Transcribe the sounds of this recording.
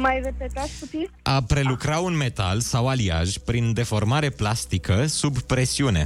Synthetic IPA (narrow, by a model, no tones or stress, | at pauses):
majrepet̪akut̪itʔapɾe̞lukɾaunme̞t̪a̰lsawalia̰ʒʲpɾind̪e̞fo̞rmaɾe̞plast̪ikəsubpɾe̞siune̞̰